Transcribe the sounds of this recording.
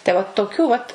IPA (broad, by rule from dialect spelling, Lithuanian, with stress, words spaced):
tɐɪ ˈʋɐt toːˈkʲuː ʋɐt